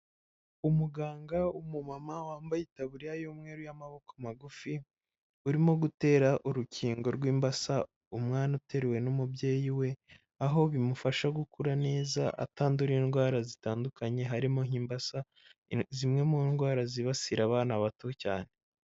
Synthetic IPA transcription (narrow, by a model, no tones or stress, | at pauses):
umuɡaːŋɡaumumamawaːmbajitaβuɾijajomŋe̞ːɾujamaβo̞komaɡufi | uɾimo̞ɡute̞ːɾaʔuɾuciːŋɡo̞ɾɡwiːmbasa | umŋaːnute̞ɾewe̞numubɟe̞ːjiwe̞ | aɦo̞βimufaʃaɡukuɾane̞ːza̰ʔa̰taːnduɾiinɡwaːɾazitaːndukaɲe̞ɦaɾimoɦiːmbasa | zimŋe̞munɡwaːɾaziβasiɾaβaːnaβato̞ca̰ːne̞